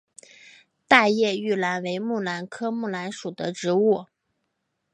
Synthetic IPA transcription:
t̪a˥˧jɛ˥˧y˥˩la˧˥nwe˧˥ɪmu˥˩la˧˥nkʰɤ˥mu˥˩la˧˥nʂu˨˩d̪ə˦ʈ͡ʂɻ̩˧˥u˥˩

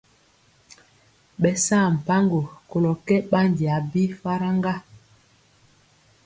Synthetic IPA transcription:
ɓɛ˨saː˦˨m̩˨pa˦ŋɡo˨ko˨lɔ˨kɛ˦ɓa˦ndi˨a˨bi˦fa˦ɾa˦ŋɡa˦

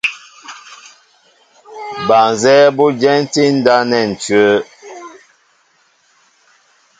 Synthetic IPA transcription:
ba˨nzɛ˦bu˦d͡ʒɛ˦n˦ti˦n̩˦da˦nɛ˦˨n̩˨tɥə˦

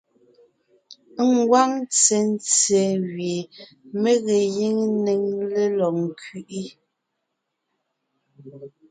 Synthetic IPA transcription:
ŋ̩˦ɡwa˦ŋ˦t͡se˨n̩˦t͡sɛ˨ɣɥe˨ | me˦ɣe˨ji˦ŋ˦ne˨ŋle˦lɔ˨ŋ̩˨kʰɥi˨ʔi˦

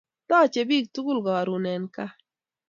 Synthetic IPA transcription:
tɔː˦˨t͡ʃe˨bi˦˨k̚tu˦ɡu˦lɡɔ˨ɾu˨nɛ˨nka˦

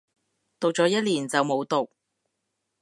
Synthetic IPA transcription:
t̪o˨w̚t͡sɔː˨˧˥jɐ˥t̚liː˨˩nt͡sɐ˨wmo˨˧wt̪o˨˩k̚

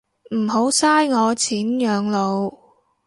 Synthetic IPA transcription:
m̩˨˩ho˨˥wsaː˥jŋɔː˨˧t͡sʰiː˨˥njœː˨˧ŋlo˨˧w

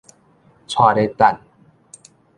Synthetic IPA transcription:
t͡sʰwaː˥˧˨ɾe˦t̪a˧˨n

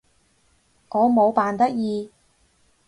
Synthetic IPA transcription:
ŋɔː˨˧mo˨˧wpaː˨nt̪ɐ˥k̚jiː˧

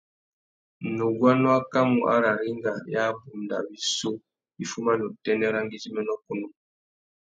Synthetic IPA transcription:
nu˨ɡwa˦nɔ˦a˦ka˦mu˨ʔa̰˦ɾa˨ɾi˦ŋɡa˨ja˦bu˨mda̰˨bi˨so˦ | i˦fu˦ma˦nɔ˨tɛ˦nɛ˦ɾa˦ŋ˦ɡi˦zi˦mɛ˦nɔ˦ku˦nu˦

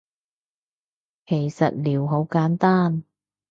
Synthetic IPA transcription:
kʰe˨˩jsɐ˨t̚liː˨˩wɦo˨˥wkaː˨˥nt̪aː˥n

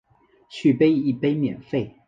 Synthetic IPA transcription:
t͡ɕʰy˥˩pe˥ɪi˥˩pe˥ɪmjɛ̰˨˩nfe˥˩ɪ

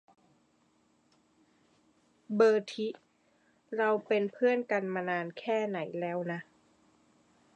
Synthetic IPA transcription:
bɤː˧˩t̪ʰi˦˥ʔ | ɾa˧wpe˧npʰɯ˥˩ənka˧nmaː˧naː˧nkʰɛː˥˩na˩˦jlɛː˦˥wna˦˥ʔ

